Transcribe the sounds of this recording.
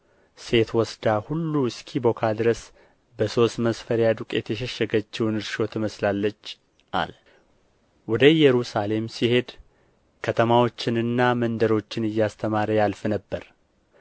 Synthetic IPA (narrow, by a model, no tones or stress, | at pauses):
se̞t̪wɔsd̪ahulːuɨskʰibo̞kʰad̪ɨɾəs | bəso̞st̪məsfəɾjad̪ukʼjɛ̰t̪ʰɛʃəʃːəɡət͡ʃːɛwnɨɾʃo̞t̪ʰəməslalːət͡ʃː | ʔa̰l | wɔd̪əjɛɾusale̞msihe̞d̪ | kʰət̪ʰəmawo̞t͡ʃːɪnɨnːamənd̪əɾo̞t͡ʃːɪnɨjːast̪ʰəmaɾəjalfɨnəbːəɾ